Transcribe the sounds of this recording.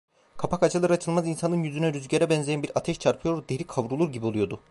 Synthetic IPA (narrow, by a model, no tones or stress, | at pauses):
kʰapʰakat͡ʃʰɯlˠaɾɯat͡ʃʰɯlˠmazinsanɯnjyzynɛɾyzɟeɾɛbɛnzejɛnbiɾat̪ʰɛʃt͡ʃʰaɾpʰɯjo̞ɾd̪e̞ɾikʰavɾulˠuɾɟibio̞lˠujo̞d̪u